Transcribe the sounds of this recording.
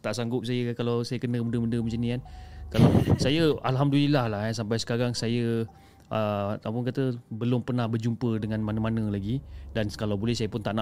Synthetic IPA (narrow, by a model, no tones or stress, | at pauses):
t̪aʔsaŋɡʊp̚sajəkalawsajəkənəmũndəmundəmət͡ʃəniankalawsajəalɦamdulilahlahansampajsə̥kaɾaŋsajə | ʔəa̰t̪awpʊnkat̪əbəlʊmpərnahbərd͡ʒumpədəŋãnmanəmanəlaɡidankalawbolɛhsajəpʊnt̪aʔna